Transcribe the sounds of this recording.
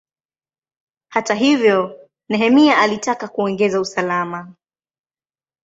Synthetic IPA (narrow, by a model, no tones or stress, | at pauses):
hataɦivjɔ | nɛɦɛmiaʔalitakakuɔŋɡɛzausalama